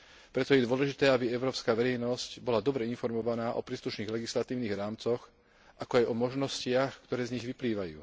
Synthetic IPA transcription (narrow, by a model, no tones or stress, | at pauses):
pɾɛt̪ɔjɛd̪ʊɔlɛʒit̪ɛːabiɛʊɾɔːpskaːʋɛɾɛjnɔscbɔlad̪ɔbɾɛinfɔɾmɔʋanaːʔɔpɾiːsluʃniːɣlɛɡislat̪iːʊniːɣɾaːmt͡sɔx | ʔakɔajɔmɔʒnɔscɪaxkt̪ɔɾɛːzɲiɣʋipliːʋajṵː